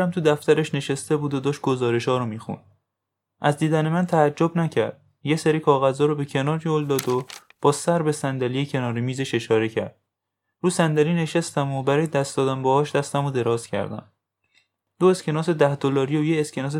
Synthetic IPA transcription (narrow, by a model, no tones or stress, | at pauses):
æmt̪ʰud̪æft̪æɾeʃne̞ʃest̪e̞buːd̪od̪ɒːʃt̪̚ɡ̥ozɒːɾe̞ʃhɒːɾomiːxṵn | ʔæzd̪iːd̪ænemænt̪ʰæːd͡ʒːobnæcʰæɾd̪̥̚ | jeseɾiːkʰɒːɣæzɒːɾobe̞cʰe̞nɒːɾjold̪ɒːd̪o | b̥ɒːsæɾbe̞sænd̪ælijecʰenɒːɾimiːze̞ʃe̞ʃɒːɾe̞cʰæ̰ɾd̪̥̚ | ɾuːsænd̪æliːne̞ʃæst̪æmobæɾɒːjed̪æst̪d̪ɒːd̪æmbɒhɒːʃd̪æst̪æmod̪e̞ɾɒːscʰæ̰ɾd̪æ̰m | d̪̥oescʰe̞nɒːse̞d̪æhd̪olɒːɾijojeescʰenɒːs̬e